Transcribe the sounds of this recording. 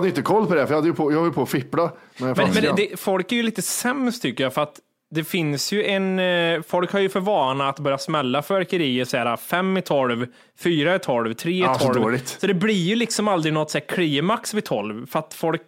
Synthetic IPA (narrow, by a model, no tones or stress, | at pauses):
d̪əjʏnt̪əkʰɔlːpʰɔd̪ɛfœjɑhad̪əjəpʰojɑhɔjpʰɔɔfɪpːlamɛnjamɛnmɛnd̪ɛfɔlkæɾjɵliːt̪əsɛmst̪ʰʏkːəjafœɾat̪ | d̪ɛfɪnsjɵʔɛnfɔlkhaɾjɵfœɾvɑːnaːt̪bœɾjasmɛlːafœɾkəɾiːətsæːɾafɛmːɪt̪ʰɔlv | fyːɾaɪt̪ʰɔlvt̪ʰɾeːɛɔldoːɭɪt̪sɔd̪ɛblɪɾjɵlɪksɔmald̪ɾɪnɔt̪sɛt̪ːkʰliːmaksvɪt̪ʰɔlvfœɾat̪fɔlk